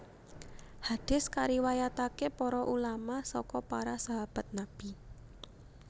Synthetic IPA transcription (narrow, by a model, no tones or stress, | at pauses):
had̥ɪ̤skaɾiwajat̪akepɔɾɔʔulamasɔkɔpaɾasaɦab̥a̤t̪̚nab̥i̤